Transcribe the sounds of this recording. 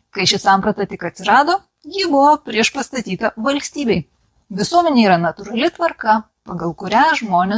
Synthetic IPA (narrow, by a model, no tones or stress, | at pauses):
kɐɪʃʲɪsɑːˑmpɾɐt̪ɐt̪ʲɪkɐt̪ʲsʲɪɾɑːd̪oː | jɪbʊʋoːpʲɾʲiɛʃpɐst̪ɐt̪ʲiːt̪ɐʋɐlʲsʲt̪ʲiːbʲɛɪ | ʋʲɪsuɔmʲɛnʲeːiːɾɐnɐt̪ʊɾɐlʲɪt̪ʋɐɾkɐ | pɐɡɐlˠkʊɾʲæʒmoːnʲe